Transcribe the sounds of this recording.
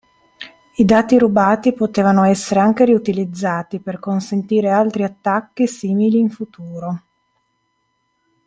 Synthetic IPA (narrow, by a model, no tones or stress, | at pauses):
id̪aːt̪iɾubaːt̪ipot̪eːvanoɛsːeɾeaŋk̟eɾiut̪ilid̪zːaːt̪iperkonsent̪iːɾealt̪ɾiat̪ːakːisiːmiliːɱfut̪uːɾo